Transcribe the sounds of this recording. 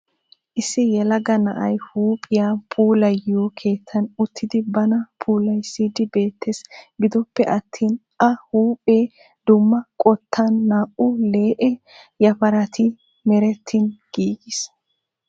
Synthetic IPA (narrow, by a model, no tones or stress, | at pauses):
ʔɪsːɪjɛlɐɡɐnɐʔɐjhuːpʼɪjapʰuːlɐjjoːkʰe̞ːt̪ːɐnʊt̪ʰːɪd̪ɪbɐnɐpʰuːlɐjsːɪd̪ɪbe̞ːt̪ʰːesbɪd̪ɔpːɛʔɐt̪ʰːiːn | ʔɐhuːpʼeː | d̪̥ʊmːɐkʼɔt̪ːɐnːaːʔʊle̞ːʔɛ | jɐpɐɾɐt̪ʰɪ | mɛɾɛt̪ʰːɪnɡ̥iːɡɪs